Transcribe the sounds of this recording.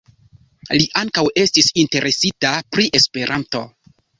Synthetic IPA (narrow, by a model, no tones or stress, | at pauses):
liʔaŋkawe̞stisinte̞ɾʔe̞sitapɾiʔe̞spe̞ɾʔanto̞